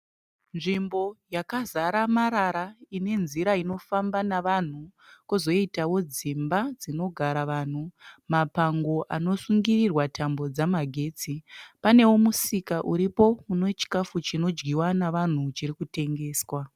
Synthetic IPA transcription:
nʐimbo̞jakazaɾamaɾaɾaine̞nziɾaino̞fambanaʋan̤ukuzo̞itawo̞d͡zimbad͡zino̞ɡʱaɾaʋan̤umapaŋɡo̞ʔano̞suŋɡirirwatʰambo̞d͡zamaɡʱe̞ːt͡sipane̞womusikaʔuɾipo̞muno̞t͡ʃi̥kafut͡ʃino̞d͡ʒɡiwanaʋan̤ut͡ʃirikute̞ŋɡe̞ːswa

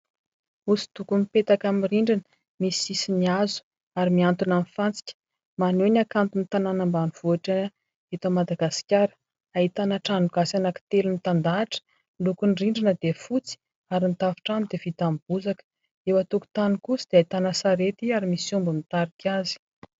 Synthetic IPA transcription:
usi̥t̪ukumipet̪akamiriɳɖ͡ʐinə̥ | misisiniazu̥ | aɾimiant̪unamifant͡si̥kʲə̥ | manenʲakant̪unit̪ananambanuv̥uaʈ͡ʂə | et̪əmad̪aɡasi̥kʲaɾə̥ | ait̪anaʈ͡ʂanuɡasanaki̥t̪elunit̪and̪aʈ͡ʂə̥ | lukunriɳɖ͡ʐinəd̪efut͡si̥ | aɾinit̪afi̥ʈ͡ʂamd̪evit̪amb̥uzakə̥ | ewat̪uku̥t̪anikusid̪eait̪anasaɾet̪iaɾimisumbumit̪aɾikʲazi̥

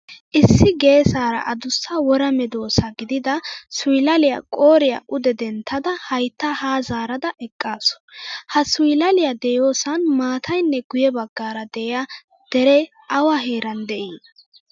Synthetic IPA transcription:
ʔɪsːɪɡe̞ːsaːɾɐ̰ʔɐd̪ʊsːɐwɔɾɐmɛd̪o̞ːsɐɡɪd̪ɪd̪ɐsʊjɪlɐlɪjɐ̰kʼoːɾɪjɐ̰ʔʊd̪ɛd̪ɛnt̪ʰːɐd̪ɐhɐjt̪ːɐhaːzaːɾɐd̪ɐʔɛkʼːaːsɔ̥hɐsʊjɪlɐlɪjɐd̪ɛjoːsɐnmaːt̪ʰɐjnːɛɡʊjɛbɐɡːaːɾɐd̪ɛʔɪja | d̪̥ɛɾɛ | ʔɐwɐɦeːɾɐnd̪ɛʔiː

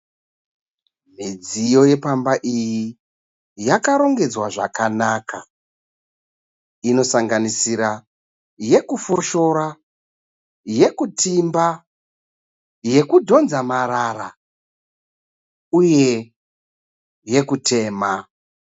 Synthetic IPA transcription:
mid͡zijo̞je̞pambaʔiji | jakaɾo̞ŋɡe̞d͡zwaʐa̰kanaːka | ino̞saŋɡanisiɾa | je̞kufoʃo̞ɾa | je̞kutʰimba | je̞kudʱo̞nzamaɾara | uje̞ | je̞kutʰe̞ːma

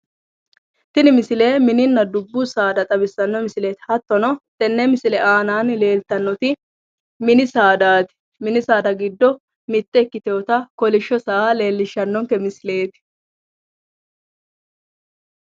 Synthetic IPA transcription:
t̪ɪnɪmɪsɪle̞ːmɪnɪnːɐd̪ʊbːʊsaːd̪ɐt̪ʼɐbɪsːɐnːɔmɪsɪleːt̪ɪ̥hɐt̪ːɔnɔt̪ʼɛnːɛmɪsɪlɛʔaːnaːnle̞ːlt̪ɐnːɔt̪ɪ | mɪnɪsaːd̪aːt̪ɪ̥ | mɪnɪsaːd̪ɐɡɪd̪ːɔ | mɪt̪ːɛɪkːɪt̪oːt̪ɐkɔlɪʃːɔsaːle̞ːlːɪʃːɐnːɔŋkɛmɪsɪle̞ːt̪ɪ̥

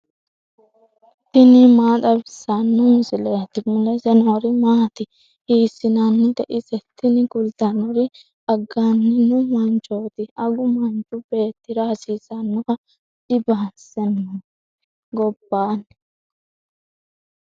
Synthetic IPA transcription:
t̪ɪnɪmaːt̪ʼɐbɪsːɐnːʊmɪsɪleːt̪ːɪmʊlɛsɛnɔɾɪmaːt̪ɪ | hiːsːɪnɐnːɪd̪ɛʔɪsɛt̪ːɪnɪkʊlt̪ɐnɔɾɪ | ɐɡːanːɪnʊmɐnt͡ʃo̞ːt̪ɪɐɡʊmɐnt͡ʃʼːʊbe̞ːt̪ːɪɾɐhɐsiːsɐnːɔkɐ | dɪbasɛnːu | ɡɔbːaːn

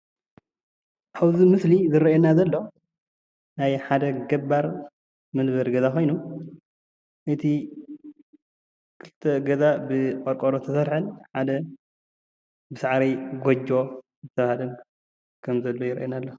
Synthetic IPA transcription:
ʔawzimɨslizɨɾɐenazɐlːo̞ | najħad̪ɐɡɐbaɾ | mɨlβɐɾɡɐzakʰo̞jnu | ʔɨt̪ʰi | kʰɨlɨ̥t̪ʰːɐɡɐzabɨkʼoɾkʼoɾot̪ʰɐsɐɾħɨnħad̪ɐ | bɨsaʕɾijɡod͡ʒo̞ | zɨt̪ʰɐβahalɐn | kʰɐmzɐlːo̞jɪɾʔenalːo

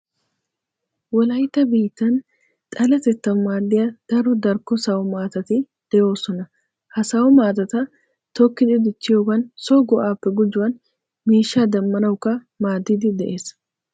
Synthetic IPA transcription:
wɐlɐjt̪ɐbiːt̪ɐn | t̪ʼɐlɐt̪ɛt̪ːɐmːaːlːɪɐd̪̥ɐɾʊd̪ɐɾkɔsɐwɔmaːt̪ɐt̪i | d̪̥ɛjoːsɔnɐ | hɐsɐwɔmaːt̪ɐt̪ɐ | t̪ɔkːɪd̪ɪd̪ɪt͡ʃːɪjɔɡɐnsoːɡɔʔaːpːɛɡʊd͡ʒʊʔɐn | meːʃaːd̪ɐmːɐnɐʊkɐ | maːd̪id̪ɪd̪ɛʔeːs

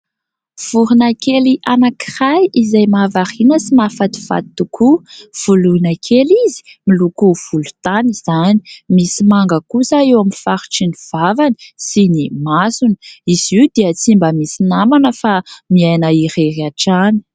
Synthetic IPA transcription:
v̥uɾunakeliʔanakirajizajmavaɾinəsimafat̪i̥fa̰t̪ukʰuv̥ulunakʰelizi̥milukuv̥ulu̥t̪aniz̥ani̥misimaŋɡəkusaewaminfaɾu̥ʈ͡ʂiniv̥avani̥sinimasunə̥iziwd̪iət͡simbəmisinamanəfamiajnəiɾeɾaʈ͡ʂani̥

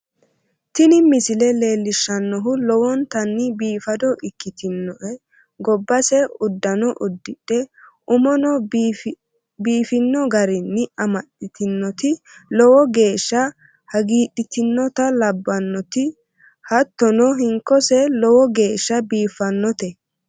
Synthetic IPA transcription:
t̪ɪnɪmɪsɪlɛle̞ːlːɪʃːɐnːɔɦʊlɔwɔnt̪ɐnːɪbiːfɐd̪ɔʔɪkːɪt̪ɪnːɔʔɛ | ɡɔbːɐsɛʊd̪ːɐnɔʔʊd̪ːɪᶑɛʔʊmɔnɔ | biːfɪnːɔɡɐɾɪnːɪɐmɐɗɪt̪ɪnːɔt̪ɪ | lɔwɔɡe̞ːʃːɐ | hɐɡiːɗɪt̪ɪnːɔt̪ɐlɐbːɐnːɔt̪ɪ | hɐt̪ːɔnɔɦɪŋkːɔsɛlɔwɔɡe̞ːʃːɐbiːfːɐnːɔt̪ɛ

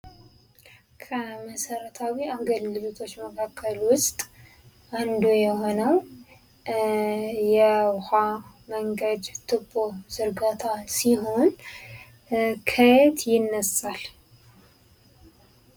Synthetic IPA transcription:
kʰəməsəɾət̪ʰawiaɡəlːɨlot̪ʰo̞t͡ʃːməkʰakʰːəlwʊst̪ʼ | ʔand̪ujɛho̞nəw | jɛha | məŋɡəd̪t̪ʰɨbo̞z̥ɨɾɡat̪ʰasiɦo̞n | kʰəjt̪ʰjɪnːəsal

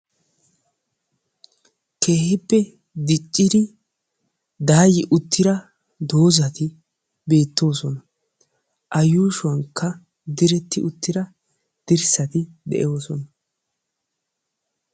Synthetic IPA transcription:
kʰe̞ːhɪpːɛ | d̪ɪt͡ʃʼːɪd̪ɪ | d̪aːjɪʔʊt̪ʰːɪɾɐ | d̪o̞ːzɐt̪ɪ | be̞ːt̪ːo̞ːsɔnɐ | ʔɐjuːʃʊɐŋkʰːɐ | d̪ɪɾɛt̪ːɪʔʊt̪ːɪɾɐ | d̪̥ɪɾsɐt̪ɪd̪ɛ̰ʔo̞ːsɔnɐ

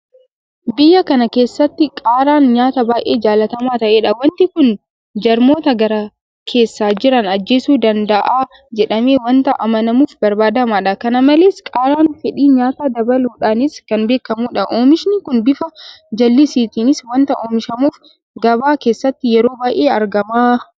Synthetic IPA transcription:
bɪjːɐkɐnɐke̞ːsːɐt̪ːɪkʼaːɾaːnɲaːt̪ɐbaːʔe̞ːd͡ʒaːlɐt̪ɐmaːt̪ɐʔe̞ːᶑɐwɐnt̪ɪkʊn | d͡ʒɐɾmo̞ːt̪ɐɡɐɾɐ | kʰe̞ːsːaːd͡ʒɪɾɐnɐd͡ʒːe̞ːsuːd̪ɐnd̪ɐʔaː | d͡ʒɛᶑɐme̞ːwɐnt̪ɐʔɐmɐnɐmuːfbɐɾbaːd̪ɐmaːᶑɐkɐnɐmɐleːskʼaːɾaːnfɛᶑiːɲaːt̪aːd̪ɐbɐluːᶑaːnɪskɐnbe̞ːkːɐmuːᶑɐʔoːmɪʃnɪkʊnbɪfɐ | d͡ʒɐlːɪsiːt̪iːnɪswɐnt̪ɐʔoːmɪʃɐmuːf | ɡɐbaːke̞ːsːɐt̪ːɪjɛɾo̞ːbaːʔeːɐɾɡɐmaː

